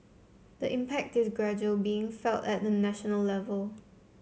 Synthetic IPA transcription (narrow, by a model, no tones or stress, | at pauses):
dəʔɪ̃mpɛk̚tɪsɡɹɛd͡ʒuəlbiɪ̃ŋfɛlˠtɛt̚dənæʃənəlːɛvəlˠ